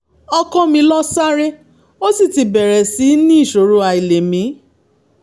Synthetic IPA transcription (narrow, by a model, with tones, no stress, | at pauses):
ɔ˧kɔ̃˦mĩ˧lɔ˦sa˦ɾe˦ | o˦si˦˨ti˨˧bɛ˨ɾɛ˨si˨˦nĩ˦i˦˨ʃo˨ɾo˧˦a˧i˨le˨mĩ˨˦